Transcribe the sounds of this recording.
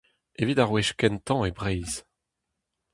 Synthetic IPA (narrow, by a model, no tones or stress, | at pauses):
evid̪aʁweʃkɛnt̪ɑ̃ebʁɛjz̥